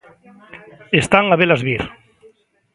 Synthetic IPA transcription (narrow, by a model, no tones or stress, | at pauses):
est̪aŋaβelazβiɾ